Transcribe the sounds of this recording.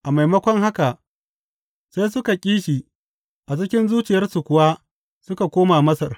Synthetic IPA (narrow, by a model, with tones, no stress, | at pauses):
ʔa˨ma˨jmɐ˦kʷɔ˦ŋha˦ka˨ʔ | sa˦jsʊ˦ka˨kʲʼiː˦ʃi˨ | ʔa˨t͡ʃɪ˦kʲɪ˦nzuː˦t͡ʃɪ˨jɐ˦rsu˨kʷʊ˨waː˦ | sʊ˦ka˨kʷoː˦maː˨mɐ˦sɐ˨r